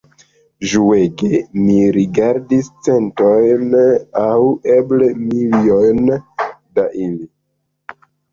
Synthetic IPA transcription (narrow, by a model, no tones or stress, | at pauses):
ʒueɡemiɾiɡaɾdist͡se̞nto̞jnaweblemiliojndaʔili